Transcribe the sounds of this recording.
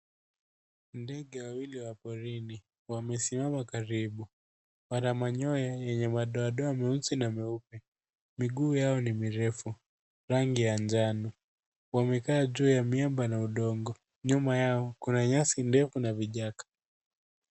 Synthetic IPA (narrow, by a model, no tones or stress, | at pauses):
ndɛɠɛwawiliwapɔɾini | wamɛsimamakaɾiɓu | wanamaɲɔjajɛɲɛmaɗɔaɗɔamɛunsinamɛupɛ | miɠuːjaɔnimiɾɛfu | ɾaŋɡijaɲd͡ʒanu | wamɛkaːʄuːjamiambanauɗɔŋɡɔ | ɲumajaɔkunaɲasindɛfunaviʄakḁ